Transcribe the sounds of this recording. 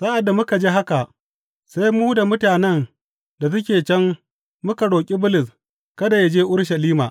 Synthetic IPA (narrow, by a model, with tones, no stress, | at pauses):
sa˦ʔa˨dːa˨mʊ˦ka˨d͡ʒeː˦ɦa˦ka˨ | sa˦jmu˦da˨mʊ˦taː˨nɛ˦n | da˨s̬ʊ˦k̬ʲeː˨t͡ʃɛ˦ŋː | ʊ˦ka˨ɽoː˨kʲʼi˦bʊ˦lɪ˨s | kɐ˦da˨ja˦d͡ʒeː˦ʔʊ˦ɽʃa˨liː˦maː˨ʔ